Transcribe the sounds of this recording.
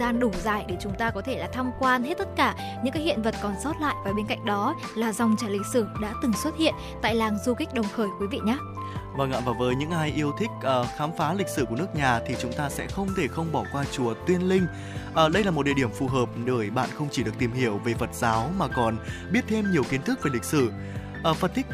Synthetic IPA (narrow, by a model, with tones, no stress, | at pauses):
zaː˧nɗʊ˧˩zaː˧˩jɗe˧˩t͡ɕʊ˨˦ŋ͡mt̪aː˧kɔ˨˦t̪ʰe˧˩laː˨˩t̪ʰaː˧mkwaː˧nɦe˦˥t̚t̪ːə˦˥t̚kaː˧˩ | ɲɨ̰˧˥ŋka˨˦hḭ˧˨ənvə˨˩t̚kɔ˨˩nsɔ˦˥t̚la̰ː˧˨jvaː˨˩ɓe˧nka̰˧˨jŋ̟ɗɔ˨˦ | laː˨˩za˨˩wŋ͡mt͡ɕaː˧˩lï˨˩k̟̚sɨ˧˩ɗa̰ː˧˥t̪ɨ˨˩ŋswə˦˥t̚hḭ˧˨ən | t̪a̰ː˧˨jlaː˨˩ŋzu˧xi˦˥k̟̚ɗə˨˩wŋ͡mxəː˧˩jkwi˨˦vḭ˧˨ɲaː˨˦ | vəː˧ŋʔa̰ː˧˨vaː˨˩vəː˨˦jɲɨ̰˧˥ŋʔaː˧jʔi˧əwt̪ʰï˦˥k̚ʔəː˨˩xaː˨˦mfaː˨˦lï˨˩k̚sɨ˧˩ku˧˩ənɨ˦˥ək̚ɲaː˨˩t̪ʰi˨˩t͡ɕʊ˨˦ŋ͡mt̪aː˧sɛ̰˧˥xə˧wŋ͡mt̪ʰe˧˩xə˧wŋ͡mɓɔ˧˩kwaː˧t͡ɕu˨˧˩ət̪wi˧ənlï˧ŋ̟ | ʔəː˨˩ɗə˧jlaː˨˩mo˨˩t̚ɗḭ˧˨i˧˩əmfu˨˩ɦəː˨˩p̚ɗəː˧˩jɓa̰ː˧˨nxə˧wŋ͡mt͡ɕi˧˩ɗɨ˨˩ək̚t̪i˨˩mhi˧˩əwve˨˩və˨˩t̚zaː˨˦wmaː˨˩kɔ˨˩nɓi˦˥ət̚t̪ʰe˧mɲi˨˩əwki˨˦nt̪ʰɨ˦˥k̚ve˨˩lï˨˩k̟̚sɨ˧˩ | ʔəː˨˩fə˨˩n̚t̪ʰi˦˥k̚